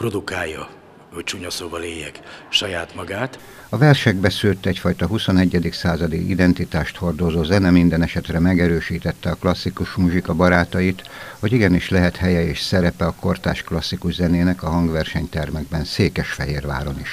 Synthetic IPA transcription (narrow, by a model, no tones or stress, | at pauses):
pro̞d̪ukaːjːɒ | hoct͡ʃuɲɒsobɒleːjːɛkʃɒjaːt̪mɒɡaːt̪ | ɒvɛrʃɛɡbɛsylt̪ɛcfɒjt̪ɒɦuso̞nɛɟːɛd̪iksaːzɒd̪iʔḭd̪ɛnt̪it̪aːʃt̪ho̞rd̪o̞zoːzɛnɛmind̪ɛnɛʃɛt̪rɛmɛɡɛɾøːʃiːt̪ɛt̪ːɛɒklɒsːikuʃmuʒikɒbɒɾaːt̪ɒjit̪ho̞ɟiɡɛniʃlɛɦɛt̪hɛjɛeːʃsɛɾɛpɛɒko̞rt̪a̰ːʃklɒsːikuʒzɛneːnɛkɒɦɒŋɡʋɛrʃɛɲt̪ɛrmɛɡ̚bɛnseːkɛʃfɛɦeːrʋa̰ːɾo̞niʃ